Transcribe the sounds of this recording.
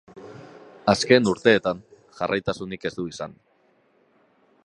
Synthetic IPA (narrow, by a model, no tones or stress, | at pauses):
aske̞nuɾt̪e̞ːt̪an | ʝarʔajt̪asunike̞zd̪uisa̰n